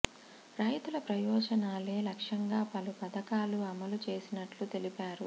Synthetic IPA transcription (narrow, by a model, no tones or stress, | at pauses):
ɾɐjt̪ulɐpɾɐjɔːd͡ʒɐnaːle̞ːlɐkʂɐŋɡaːpɐlupɐd̪ɐkaːluɐmɐlut͡ʃe̞ːsinɐʈlut̪e̞lipaːɾṵ